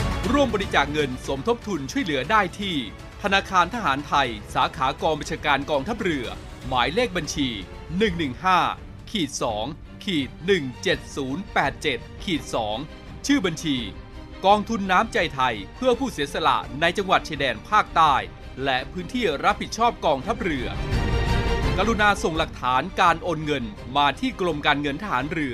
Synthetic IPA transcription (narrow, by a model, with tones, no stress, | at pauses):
ɾu˥˩əmbɔː˧ɾi˧˥t͡ɕaː˨˩k̚ŋɤ˧nso˩˦mt̪ʰo˦˥p̚t̪ʰu˧nt͡ɕʰu˥˩əjlɯ˩˦ɐdaː˥˩jt̪ʰiː˥˩ | t̪ʰa˧naː˧kʰaː˧nt̪ʰa˧ɦaː˩˦nt̪ʰa˧jsaː˩˦kʰaː˩˦kɔː˧ŋba˧nt͡ɕʰaː˧kaː˧nkɔː˧ŋt̪ʰa˦˥p̚ɾɯ˧˩ɐ | maː˩˦jleː˥˩k̚ba˧nt͡ɕʰiː˧ | nɯ˨˩ŋnɯ˨˩ŋhaː˥˩ | kʰiː˨˩t̪̚sɔː˩˦ŋ | kʰiː˨˩t̪̚nɯ˨˩ŋt͡ɕe˨˩t̪̚suː˩˦npɛː˨˩t̪̚t͡ɕe˨˩t̪̚kʰiː˨˩t̪̚sɔː˩˦ŋ | t͡ɕʰɯː˥˩ba˧nt͡ɕʰiː˧ | kɔː˧ŋt̪ʰu˧nːaː˦˥mt͡ɕa˧jt̪ʰa˧jpʰɯ˥˩ɐpʰuː˥˩si˩˦sa˧la̰˨˩ʔna˧jt͡ɕa˧ŋwa˨˩t̪̚t͡ɕʰi˧dɛː˧npʰaː˥˩k̚t̪aː˥˩j | lɛ˦˥ʔpʰɯː˦˥nt̪ʰiː˥˩ɾa˦˥p̚hi˨˩t̪̚t͡ɕʰɔː˥˩p̚kɔː˧ŋt̪ʰa˦˥p̚ɾɯ˧ɐ | ka˧ɾu˧naː˧so˨˩ŋla˨˩k̚t̪ʰaː˩˦nkaː˧nʔo˧nŋɤ˧n | maː˧t̪ʰiː˥˩klo˧mkaː˧nŋɤ˧nt̪ʰa˧ha̰ː˩˦nɾɯ˧ɐ